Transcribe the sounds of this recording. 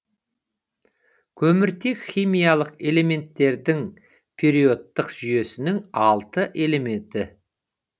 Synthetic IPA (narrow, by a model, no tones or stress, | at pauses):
kʲʰɵmɪɾt̪e̞kχʲijmijalˠəqe̞le̞me̞nt̪ːe̞ɾd̪ɪŋ | pʲʰe̞ɾijo̞t̪ːəqʒ̥ʏje̞sɪnɪŋɑlˠt̪əʔe̞le̞me̞nt̪ɪ